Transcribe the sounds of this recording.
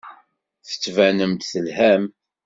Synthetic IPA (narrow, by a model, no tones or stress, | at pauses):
θə̥t͡sːvænəmt̪θəlhæm